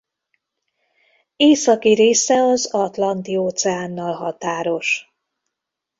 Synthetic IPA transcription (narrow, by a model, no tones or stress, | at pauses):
eːsɒkiɾeːsɛɒzɒt̪lɒnt̪ioːt̪sɛaːnːɒlɦɒt̪aːɾo̞ʃ